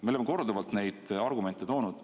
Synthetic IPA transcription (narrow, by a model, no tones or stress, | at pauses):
me̞olemːko̞rd̪uvɑlt̪ne̞jd̪̥ɑrɡume̞nt̪ːˑet̪o̞ːnud̪̥